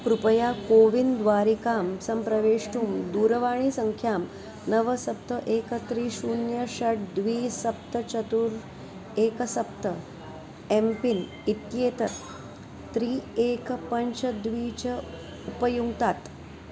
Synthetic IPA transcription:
kɾupəjakoːʋind̪ʋaːɾikaːmsɐmpɾɐʋeːʂʈuːmd̪uːɾəʋaːɳ̃iːsəŋkʰjaːm | nəʋəsɐp̚t̪əʔeːkət̪ɾiːʃuːnjəɕɐʈ̚d̪ʋiːsɐp̚t̪ət͡ʃɐt̪uɾ | eːkəsɐpt̪ə | empin | it̪jeːt̪əɾ | t̪ɾiːeːkpəɲt͡ʃəd̪ʋiːt͡ɕə | upəjuɡt̪at̪

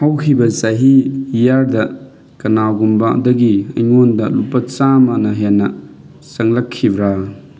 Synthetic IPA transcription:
hawkʰibɐsaɦiijaɾdɐ | kɐnaɡumbadɐɡiɐjŋondɐlupːɐt͡ʃamanɐɦenːɐ | sɐŋlɐkʰːibɾa

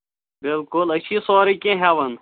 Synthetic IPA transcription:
bɪlkʊlɐɕʰiːsɔːɾikẽɦɛːwɐn

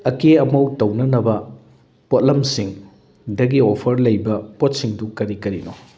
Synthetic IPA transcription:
ɐkeɐmɐwtɐwnɐnɐbɐ | pot̚lɐmsiŋ | dɐɡiopʰɐɾlɐjbɐpot̚siŋdukɐɾikɐɾino

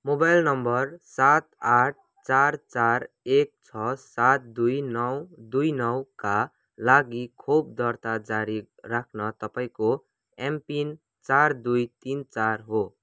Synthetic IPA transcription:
mobajlnʌmbʌrsat̪aʈ̚ʰ | t͡sart͡sar | ek̚t͡sʰʌsat̪̚d̪ujnʌwd̪ujnʌwka | laɡikʰob̚d̪ʌrt̪ad͡zaɾi | rakʰnʌt̪ʌpaĩko | empin | t͡sard̪ujt̪int͡sarɦo

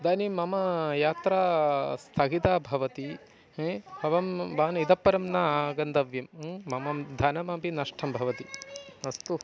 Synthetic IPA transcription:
d̪aːnimɐmɐjaːt̪ɾaːst̪ʰɐɦit̪aːbʱɐʋɐt̪i | bʱɐʋɐmʋaːnid̪ɐpːɐɾɐmnaːɡɐnd̪ɐʋjɐmːɐmɐmd̪ʱɐnɐmɐpinɐʂʈʰɐmbʱɐʋɐt̪iɐst̪u

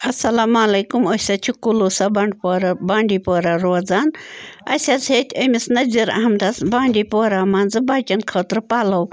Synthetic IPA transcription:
ɐsɐlaːmalɐjkumosʲɐt͡ʃʰukulusabɐɳɖpːɾbaːɳɖipoːɾaɾoːd͡zaːnɐsʲat͡sʰet̪ʲʰɐmisnɐzʲiɾɐ̰ɦɐmd̪ɐsbaːɳɖipoːɾaːmaːnd͡zɨbaːkʲɐnkʰəːt̪ɾɨpaːlɐw

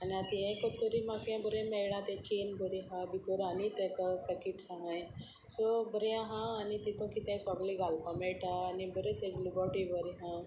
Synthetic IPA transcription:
aniat̪iẽkət̪ːuɾimakãbəɾẽmɛjɽãt̪et͡ɕenbəɾiɦãbit̪oɾanit̪ẽt̪apɛkiʈsãɦãj | sobəɾeãɦãːnit̪it̪õkit̪ẽsɔɡliɡʱalpameʈaːnibəɾet̪eɡlibəɾʈibəɾiɦã

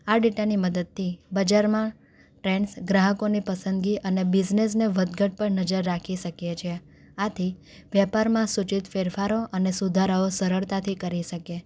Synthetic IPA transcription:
aɖiʈaniməd̪əd̪̚t̪ʰibəd͡ʒaɾmã | ʈɾeɳɖsɡɾaɦəkonipəsənd̪ɡiʔənebid͡ʒnesneʋəd̪ɡəʈ̚pəɳnəd͡ʒəɾːakʰiʃəkjet͡ʃʰe | at̪ʰi | ʋjɛpaɾmãsut͡ʃit̪feɾfaɾoʔənesud̪ʱaɾəosəɾəɭt̪at̪ʰikəɾiʃəke

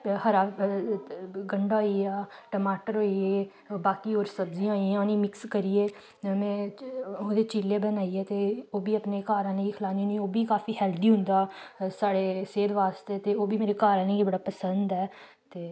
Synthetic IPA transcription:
həɾaː | ɡəɳɖaːoiːaːʈəmaːʈəɾɦoːieː | baːkiːoːɾsəbzĩjãːiãːnĩːmɪkskəɾiːeː | mɛ̃ːoːd̪eːt͡ʃiːleːbənaːiːɛːt̪eːoːbiːəpneːkaːɾãːneːɡiːkʰəlaːniːnioːbiːkaːfʰiːhɛːld̪iːɦʊ̃nd̪aːsaːɽeːseːd̪ʋaːst̪eːt̪eːoːbiːmeːɾeːkaːɾãːnẽːɡiːbəɽaːpəsənd̪ɛː | t̪eː

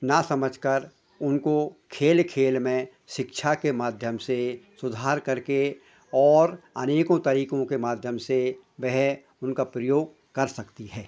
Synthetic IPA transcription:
nasɐməd͡ʒʱkəɾ | ʊnkokʰeːlkʰeːlmẽ | ʃɪkʃʰakemaːd̪ʱjəmsesʊd̪ʱaːɾkɐɾke | ɔːɾɐ̰neːkõt̪ɐɾiːkõkemaːd̪ʱjəmse | bɛɦɛ | ʊnkapɾəjoːɡ | kɐɾsɐkt̪iɦɛː

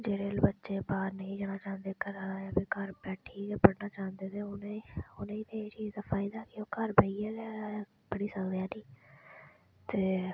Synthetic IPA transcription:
d͡ʒeːɽeːlbətːʃeːbaːɾnəĩːd͡ʒaːñaːt͡ʃãːnd̪eːkəɾaaːabeːkəɾbɛːʈʰiːkeːpəɽnaːt͡ʃaːnd̪eːt̪eːʊneːʊnẽːt̪eːt͡ʃiːzd̪aːpʰaːɪd̪aːkɪoːkəɾbəiɛːleaː | pəɽiːsəkd̪eːaːniː | t̪eː

